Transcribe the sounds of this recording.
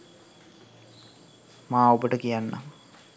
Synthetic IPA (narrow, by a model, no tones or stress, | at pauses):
maːobəʈəkijanːa̰m